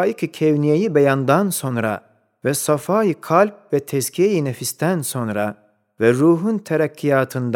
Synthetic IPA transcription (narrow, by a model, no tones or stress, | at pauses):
jicʰicʰevnijejibejand̪anso̞nɾa̰ | vɛsafaːjikʰalʲp̚vɛt̪ʰɛscʰijejinefist̪ʰænso̞nɾa̰ | vɛɾuːɦunt̪ʰeɾacʰːijaːt̪ʰɯnd̪